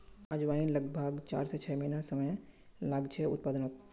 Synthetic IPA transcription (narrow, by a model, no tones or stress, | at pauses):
ad͡ʒʋaːinləɡ̚bʱəɡt͡ʃa̰ːɾset͡ʃʰɛːmenasəməj | laɡt͡ʃʰeʊ̰t̪̚paːd̪ənok